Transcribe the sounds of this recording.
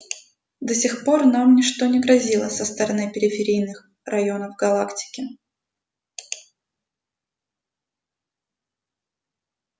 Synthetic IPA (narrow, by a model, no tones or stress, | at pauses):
d̪ɐsʲɪxpo̞rnamnʲɪʂt̪o̞nʲɪɡɾɐzʲilˠəsəst̪əɾɐnɨpʲɪɾʲɪfʲɪɾʲijnɨx | rɐjo̞nəvɡɐlˠaktʲɪ̥kʲɪ